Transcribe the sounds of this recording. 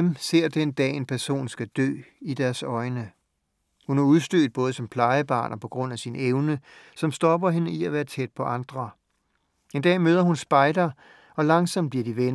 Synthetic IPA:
emse̝ɐ̰d̥end̥ɛ̰ːe̝npʰæɐso̝̰ːnsɡ̥æd̥ø̰ːid̥æɐsɒ̽ɪnə | hunæɐuðˠsd̥øːd̥̚b̥ɔ̽ːðˠəsɒ̽mpʰlɑ̈ɪəb̥ɑ̰̈ːnɒ̽pʰɒ̽ɡ̥ʁɔ̽n̰æsineʊnə | sɒ̽msd̥ɒ̽b̥ɐɦe̝nəiæʋæːɐt͡sʰed̥̚pʰɒ̽ʔɑ̈nd̥ʁɐ | e̝nd̥ɛ̰ːmøːð̞ˠɐhunsb̥ɑ̈ɪd̥ɐ | ɒ̽lɑ̈ŋsɒ̽m̰d̚b̥liɐd̥iʋen

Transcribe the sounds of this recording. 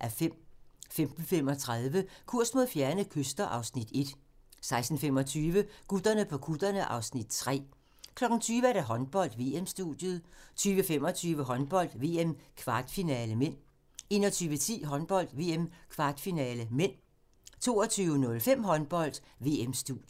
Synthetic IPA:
ʔæɐfem̰femd̥n̩fem̰ɒ̽t͡sʰʁað̞ˠʋəkʰuɐ̰sd̥mo̝ðˠfjæɐnəkʰøsd̥ɐʔɑ̈ʊsnid̥e̝d̥ | sɑ̈ɪsd̥n̩fem̰ɒt͡sʰyːʋəkud̥ɐnəpʰɒ̽kʰud̥ɐnəʔɑ̈ʊsnid̥t͡sʰʁɛ̰ː | kʰlɒ̽ɡ̥ŋ̩t͡sʰyːʋəæɐd̥æɦɒ̽nb̥ɒ̽l̰d̥ʋe̝ːemsd̥ud̥ˠjəð̩ˠt͡sʰyːʋəfem̰ɒ̽t͡sʰyːʋəɦɒ̽nb̥ɒ̽l̰d̥ʋe̝̰ːemkʰʋɑ̈ːd̥finɛːləmen̰ | e̝ːnɐt͡sʰyːʋət͡sʰḭːɦɒ̽nb̥ɒ̽l̰d̥ʋe̝̰ːemkʰʋɑ̈ːd̥finɛːləmen̰ | t͡sʰo̝̰ːɒt͡sʰyːʊənɔ̽lfem̰ɦɒ̽nb̥ɒ̽l̰d̥ | ʋe̝ːemsd̥ud̥j

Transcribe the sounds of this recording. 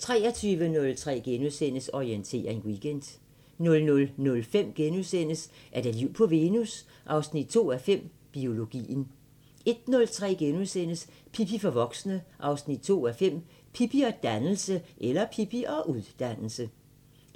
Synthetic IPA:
t͡sʰʁɛːɐt͡sʰyːʋənɔ̽lt͡sʰʁɛ̰ːɡ̥enuðˠsen̰əsɒient͡sʰe̝̰ːɐe̝nwiɡ̥end̥ | nɔ̽lnɔ̽lnɔ̽lfem̰ɡ̥enusen̰əsʔæɐd̥æliʊ̰pʰɒ̽ʋe̝ːnus | ʔɑ̈ʊsnid̥̚t͡sʰo̝̰ːæfem̰ | b̥io̝lo̝ɡ̥ḭːn̩ | e̝d̥nɔ̽lt͡sʰʁɛ̰ːɡ̥enuðˠsen̰əspʰipʰifɒ̽ʋɒ̽ɡ̥snəʔɑ̈ʊsnid̥t͡sʰo̝̰ːæfem̰ | pʰipiɒ̽d̥ænl̩səʔelɐpʰipʰiʔɒ̽ʔuðˠd̥æn̰l̩sə

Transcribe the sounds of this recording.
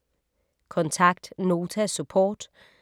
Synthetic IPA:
kʰɔ̽nt͡sʰɑ̈ɡ̥d̥no̝ːt͡sʰæsupʰɔ̰ːd̥

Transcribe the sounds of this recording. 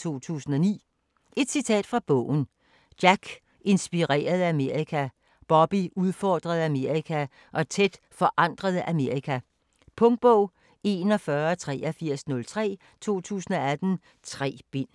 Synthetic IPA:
t͡sʰo̝̰ːt͡sʰṵːsn̩ɒ̽nḭː | e̝d̥sit͡sʰɛ̰ːd̥fʁɑ̈b̥ɔ̰ʊ̰n̩ | d̥jæɡ̥ | e̝nsb̥iʁɛ̰ːɐð̞̩ˠæme̝ɐʁikʰæ | b̥ɒ̽b̥iuð̞ˠfɒːd̥ʁɐð̞ˠæme̝ɐ̰ʁikʰæ | ʔɒ̽t͡sʰed̥ | fɒ̽ʔɑ̈n̰d̥ʁɐð̞̩ˠʔæme̝ɐʁikʰæ | pʰɔ̽ŋd̥̚b̥ɔʊ̰ | e̝nɒ̽fɶːɐɒt͡sʰʁɛ̰ːɒfiɐ̰snɔ̽lt͡sʰʁɛ̰ː | t͡sʰo̝̰ːt͡sʰṵːsn̩ɒ̽æd̥n̩ | t͡sʰʁɛ̰ːb̥e̝n̰

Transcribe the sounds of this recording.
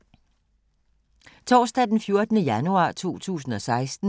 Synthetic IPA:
t͡sʰɒːsd̥ɛd̥enfjo̝ɐd̥ənəjænuɑ̰̈ːt͡sʰo̝̰ːt͡sʰṵːs̬n̩ɒ̽sɑ̈ɪsd̥n̩

